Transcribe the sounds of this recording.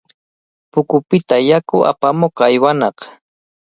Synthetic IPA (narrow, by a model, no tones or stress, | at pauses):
pʊkʊpɪt̪ajakʊʔa̰pamoqajwanɑq